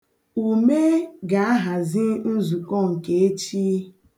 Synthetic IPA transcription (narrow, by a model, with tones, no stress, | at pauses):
u˨me˦ɡa˨˦a˦ɦa˨zi˦n̩˦zu˨kɔ˦˨ŋ̩˨ke˦e˦t͡ʃi˦